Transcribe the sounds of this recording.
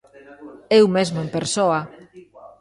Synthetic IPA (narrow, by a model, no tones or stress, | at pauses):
ewmezmoempeɾsoɐ